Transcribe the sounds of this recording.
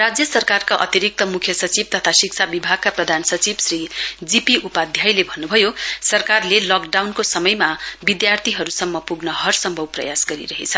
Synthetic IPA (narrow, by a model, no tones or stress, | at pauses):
rad͡zjʌsʌrkarkaʔʌ̰t̪iɾik̚t̪ʌmukʰjʌsʌt͡sib̚t̪ʌt̪ʰasik̚t͡sʰabibʱaɡ̚kaprʌd̪ʱansʌt͡sibsrid͡zipiʔupad̪ʱjajlebʱʌnːubʱʌjosʌrkarlelʌkɖawnkosʌmʌjmabid̪jart̪ʰiɦʌɾusʌmːʌpuɡnʌɦʌrsʌmbʱʌwprʌ̰jasɡʌɾḭɾʌɦḛt͡sʰʌ